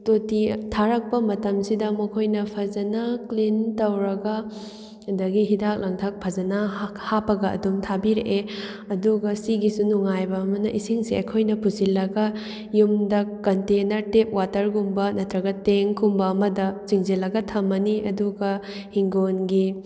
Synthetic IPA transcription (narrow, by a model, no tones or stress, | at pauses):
totitʰaɾɐk̚pɐmɐtɐmsidɐmɐkʰojnɐpʰɐzɐnaklintɐwɾɐɡɐ | dɐɡiɦidak̚lɐŋtʰak̚pʰɐzɐnahapɐɡɐɐ̰dumtʰabiɾeʔe | ɐduɡɐsiɡisunuŋajbɐːmɐnɐʔisiŋsiɐkʰojnɐpusilɐɡɐ | jumdɐkːɐntenɐɾtep̚watɐɾɡumbɐnɐtɾɐɡɐteŋkʰumbɐːmɐdɐt͡ʃiŋzilɐɡɐtʰɐmɐniʔɐduɡɐ | hiŋɡonɡi